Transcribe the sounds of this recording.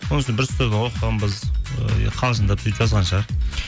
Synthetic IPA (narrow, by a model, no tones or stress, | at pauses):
wonəʃnbɪɾst̪əɾd̪ɪɴwoqəʁənbɪz̰ | qʰɑlˠʒənd̪ɑpsʰʏj̪pʒɑzʁɑnʃɑɾ